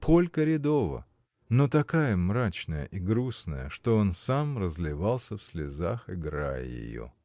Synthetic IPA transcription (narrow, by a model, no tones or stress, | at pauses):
pʰo̞lʲkəɾʲɪd̪ovə̰ | no̞t̪ɐkajəmɾat͡ɕnəjə̰ʔiɡɾusnəjəʂt̪o̞o̞nsamrəzlʲɪvalˠsʲəfsʲlʲɪzaxɪɡɾa̰j̰jɪ̰jo̰